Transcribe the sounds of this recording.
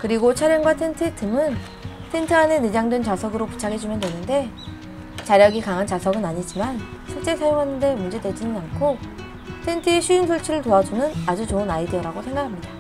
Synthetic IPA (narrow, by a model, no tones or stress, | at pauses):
kɯɾiɡot͡ɕʰaɾjʌŋɡwatʰe̞ntʰɯtʰɯmɯn | tʰe̞ntʰɯane̞ned͡ʑaŋdwent͡ɕasʰʌɡɯɾopu̥t͡ɕʰaɡʰe̞d͡ʑumjʌntwe̞nɯnde̞ | t͡ɕaɾjʌɡikaŋɦant͡ɕasʰʌɡɯnaɲid͡ʑiman | ɕʰiɭt͡ɕ͈e̞sʰajoŋɦanːɯnde̞mund͡ʑe̞ded͡ʑinɯnankʰo | tʰe̞ntʰɯeɕʰuinsʰoɭt͡ɕʰiɾɯɭtoad͡ʑunɯnad͡ʑut͡ɕoɯnaidiʌɾaɡosʰe̞ŋɡakʰamɲida